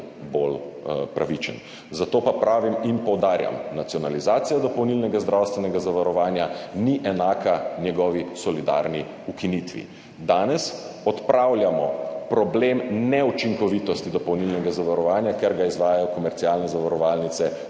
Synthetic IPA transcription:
bolpɾaʋit͡ʃən | zat̪oːpapɾaːʋiminpɔwd̪aːɾja̰mnat̪sijɔnalizaːt̪sijad̪ɔpɔwnilnɛɡazd̪ɾawst̪ʋɛnɛɡazaʋaɾɔʋaːnjaniʔɛnaːkʰanjɛɡɔːʋisɔlid̪a̰ɾni | ukinit̪ʋḭ | d̪aːnɛs | ɔt̪pɾʔaːwlʲjamɔpɾɔbleːmnɛut͡ʃiŋkɔʋit̪ɔst̪id̪ɔpɔwnilnɛɡazaʋaɾɔʋaːnjakɛɾɡaizʋaːjajɔkɔmɛɾtsialnɛzaʋaɾɔʋaːlnit̪sɛ

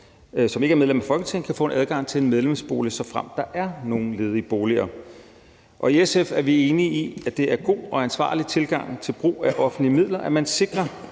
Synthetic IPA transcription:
sɒ̽me̝ɡəæɐmeðˠlemæfɒ̽lɡət͡sʰe̝ŋn̩kʰæfɔ̰ːe̝nʔæð̞ˠɡ̥ɑ̈ŋ̰t͡sʰe̝e̝nmeð̞ˠlemsb̥o̝̰ːlisɒ̽fʁam̰d̥ɑ̈ʔæɐno̝ːn̩le̝ːð̞ˠib̥o̝ːliɐ̰ | ʔɒ̽iesefæɐʋie̝ːniiæd̥e̝æɐɡ̥o̝̰ːɒ̽ænsʋɑ̰̈ːlit͡sʰe̝lɡ̥ɑ̈ŋ̰t͡sʰe̝lb̥ʁṵːæʔɒ̽fn̩limið̞̰ˠlɐʔæmænse̝ɡ̥ʁɐ

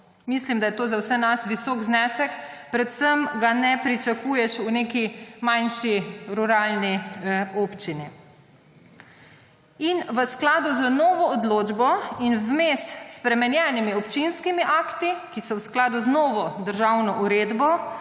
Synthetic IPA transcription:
mislimd̪ajɛt̪oːzawsɛnasʋisɔːɡznɛːsɛkpɾɛt̪səmɡanɛpɾit͡ʃakuːjɛʃuneːkimanʃiɾuɾaːlnioːpt͡ʃini | inʋəsklaːd̪uzənɔːʋɔːd̪loːd͡ʒbɔinwmest̪spɾɛmɛnjɛnimiɔpt͡ʃinskimiʔaːkt̪ikisɔwsklaːd̪uznɔːʋɔd̪əɾʒawnɔʔuɾeːd̪bɔ

